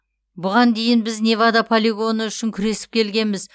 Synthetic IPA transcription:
bʊʁɑnd̪e̞jɪnbɪznʲe̞vad̪apʰolʲiɡo̞nəʏʃɪŋkʲʰʏɾe̞sɪ̥p̚kʲʰe̞lɡʲe̞nmɪz

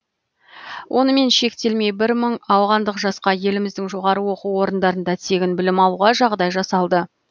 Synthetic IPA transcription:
wʔo̞nəme̞nʃe̞kt̪e̞lme̞jbɪɾməɴɑwʁɑnd̪əqʒɑsqɑje̞lɪmɪzd̪ɪŋʒo̞ʁɑɾəwo̞quwo̞ɾənd̪ɑɾənd̪ɑt̪ʰe̞ɡʲɪnbɪlɪmɑlˠuʁɑʒɑʁd̪ɑjʒɑsɑlˠd̪ə

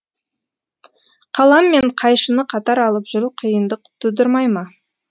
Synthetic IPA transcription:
qʰɑlˠɑmːe̞ɴqʰɑjʃənəqʰɑt̪ɑɾɑlˠəpʒ̥ʏɾuqʰəjənd̪əq̚t̪ʰʊd̪əɾmɑjmɑ

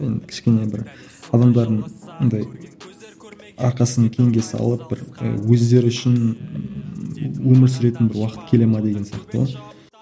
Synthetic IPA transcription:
e̞nd̪ɪkʲʰɪ̥ʃkʲe̞nebɪɾ | ɑd̪ɑmd̪ɑɾd̪əɴond̪ɑj | ɑ̰ɾqɑsənkʲʰe̞ŋɡʲe̞sɑ̰lˠəp̚b̥ɪɾə̰wɵzd̪e̞ɾɪʏʃɪn | wɵmɪɾs̬ɪɾe̞t̪ɪnbɪɾwɑqə̥t̪kʲʰe̞le̞mɑd̪e̞ɡʲe̞nsijɑqt̪ə̰

